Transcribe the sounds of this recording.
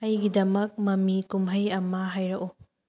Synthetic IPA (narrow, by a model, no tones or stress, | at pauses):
ɐjɡidɐmɐk̚mɐmikumɦɐjɐmɐɦajɾɐko